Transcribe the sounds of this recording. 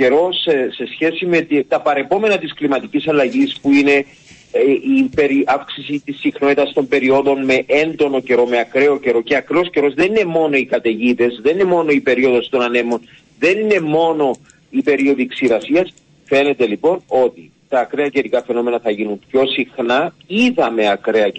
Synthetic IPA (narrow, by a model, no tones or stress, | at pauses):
ce̞ɾo̞sse̞sçe̞sime̞t̪it̪ɐpɐɾe̞po̞me̞nɐt̪isklimɐt̪icisɐlːɐʝispuine̞ | ipe̞ɾiafksisit̪isːixno̞t̪it̪ɐst̪o̞mbe̞ɾio̞ðo̞nme̞ʔe̞nd̪o̞no̞ce̞ɾo̞me̞ɐkɾe̞oce̞ɾo̞ce̞ɐkɾosce̞ɾo̞zðenine̞mo̞no̞ikɐt̪e̞ʝit̪e̞zðe̞nine̞mo̞no̞ipe̞ɾio̞ðo̞st̪o̞nɐne̞mo̞n | ðe̞nine̞mo̞no̞ | ipe̞ɾio̞ðiksiɾɐsiɐs | fe̞ne̞t̪e̞lipo̞no̞t̪i | t̪ɐːkɾeɐce̞ɾikɐfe̞no̞me̞nɐθɐʝinumpço̞sixnaiðɐme̞ɐkɾe̞ɐ